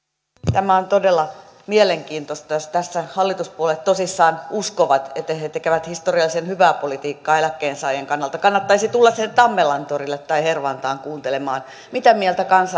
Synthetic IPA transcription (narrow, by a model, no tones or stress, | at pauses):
t̪æmæont̪odelːɑ | mieleŋkiːnt̪ost̪ɑjost̪æsːæhɑlːit̪uspuolet̪t̪osisːɑːnuskoʋɑt̪et̪ːæhet̪ekeʋæt̪hist̪oriɑlːisenhyʋæːpolit̪iːkːɑːelækːeːnsɑːjeŋkɑnːɑlt̪ɑkɑnːɑt̪ːɑisit̪ulːɑssienːett̪ɑmːelɑnt̪orilːet̪tɑiherʋɑnt̪ɑːŋkuːnt̪elemɑːn | mit̪æmielt̪ækɑnsɑ